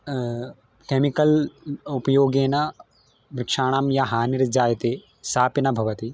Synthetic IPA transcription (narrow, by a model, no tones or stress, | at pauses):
keːmikɐlupɐjoːɡeːnɐ | ʋɾɪkʂaːɽ̃aːmjaɦaːniɾd͡ʒaːjɐt̪eː | saːpinɐbʱɐʋɐt̪i